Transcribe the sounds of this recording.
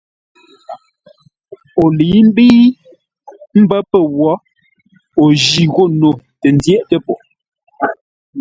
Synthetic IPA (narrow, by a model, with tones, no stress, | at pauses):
o˨liː˨˦m̩˦bi˦ | m̩˦bə˦pə˦˨wɔ˨˦ | o˨d͡ʒi˨ɣo˦˨no˨tə˨n˦djɛ˦˨ʔtə˦po˨